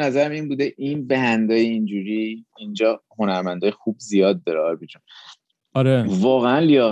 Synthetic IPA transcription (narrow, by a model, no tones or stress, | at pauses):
næzæɾæminbuːd̪e̞ʔinbeɦænd̪ɒːjeind͡ʒuːɾiind͡ʒɒːho̞næɾmænd̪ɒːjexubzijɒːd̪̚ːɒːɾeɒɾbid͡ʒun | ɒɾevɒːɣeænlijɒːɣ